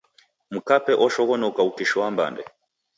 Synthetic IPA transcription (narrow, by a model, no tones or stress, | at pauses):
m̩kapɛʔɔʃɔɣɔnɔkaukiʃɔwamba̰ndɛ